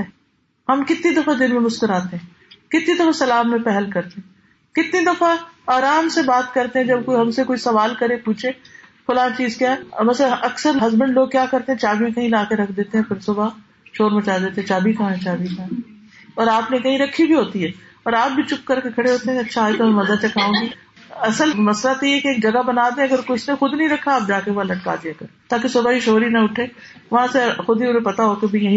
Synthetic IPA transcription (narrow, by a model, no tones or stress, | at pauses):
ɛ | hɐmkɪt̪nid̪ɐfad̪ɪnmẽmʊskəɾaːt̪eɦɛ̃ː | kɪt̪nid̪ɐfasɐlaːbmẽpɛɦəlkɐɾt̪eɦɛ̃ː | kɪt̪nid̪ɐfaaːɾaːmsebaːt̪kɐɾt̪eɦɛ̃d͡ʒɐb̚koɦɐmsekoːisɐʋaːlkɐɾẽpuːt͡ʃʰẽːxʊlaːt͡ʃiːzkjaːɦmɐslʔɐksəɾɦɐzbə̃ɳɖloːɡ̚kjaːkɐɾt̪eɦɛ̃t͡ʃaːbimẽkɐɦĩlaːkeɾɐkʰd̪eːt̪eɦɛ̃pʰɪɾsʊba | ʃoːɾmɐt͡ʃaːd̪eːt̪eɛ̃t͡ʃaːbʱikʰaɦɛ̃t͡ʃaːbikã | ɔːɾaːpnekɐɦĩɾɐkʰːibʱiɦoːt̪iɦɛː | ɔːɾaːp̚bʱit͡ʃʊkːɐɾkekʰɐɽeɦoːt̪eɦɛ̃ɐtːʃʰaaːit̪omɛ̃mɐzat͡ʃɐkʰaːõːɡi | ɐsəlmɐslat̪iɛkeeːk̚d͡ʒɐɡabɐnaːd̪ẽɐɡəɾkʊt͡ʃnexʊd̪nəɐɦĩɾɐkʰːaːp̚d͡ʒaːkeʋaːlɐʈ̚ka̰ːd͡ʒ̪iɐɡɐɾt̪aːkesʊbaiʃoːɾinɐʊʈʰeː | ʋɐɦãsexʊd̪iʊnẽpɐt̪aɦokebʱijɐɦĩ